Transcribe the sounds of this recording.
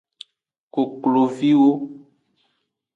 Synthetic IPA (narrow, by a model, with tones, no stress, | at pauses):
ko˨klo˨vi˦wo˦